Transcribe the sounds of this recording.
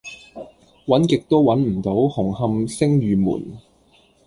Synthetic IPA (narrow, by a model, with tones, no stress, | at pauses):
wɐ˨˥nkɪ˨k̚t̪o˥wwɐ˨˥nm̩˨˩t̪o˨˥whʊ˨˩ŋhɐ˧msɪ˥ŋjyː˨mṵː˨˩n